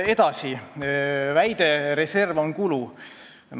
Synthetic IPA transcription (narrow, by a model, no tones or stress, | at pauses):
e̞d̪̥ɑsi | væjd̪̥e̞ɾese̞rvo̞ŋkulu | n